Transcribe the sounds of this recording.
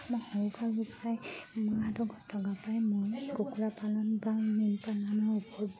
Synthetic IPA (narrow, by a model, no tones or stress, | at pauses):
mɔjhɔukaɹbɔpɔɹajmɔadɔɡɔtʰɔɡapɹajmɔjɡokuɹapalɔnbaminpalanɔɹupɔɹb